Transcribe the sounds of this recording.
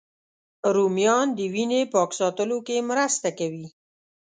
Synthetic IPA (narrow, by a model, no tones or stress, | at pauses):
ɾumjɑnd̪əwinepɑksɑt̪əlokemɾəst̪akawi